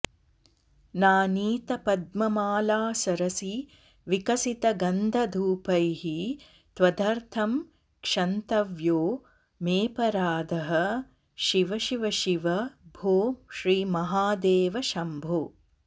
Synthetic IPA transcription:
naːniːt̪ɐpɐd̪mɐmaːlaːsɐɾɐsi | ʋikɐsit̪ɐɡɐnd̪ʱɐd̪ʱuːpɐjɦi | t̪ʋɐd̪ʱɐɾt̪ʰɐm | kʂɐnt̪ɐʋjoː | meːpɐɾaːd̪ʱɐɦɐ̆ | ʃiʋɐʃiʋɐʃiʋɐbʱoːʃɾiːmɐɦaːd̪eːʋɐʃɐmbʱoː

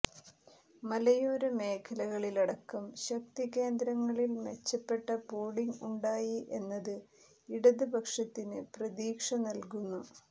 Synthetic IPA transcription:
mɐlɐjoːɾɐme̞ːkʰɐlɐɣɐɭilɐɽɐkːɐmɕɐkt̪ike̞ːnd̪ɾɐŋːɐɭilmet͡ɕːɐpːe̞ʈːɐpoːɽiŋuɳɖaːjiʔe̞nːɐðɨ | iɽɐðɨbʱɐkʂɐt̪ːinɨprɐðiːkʂɐnɐlkunːu

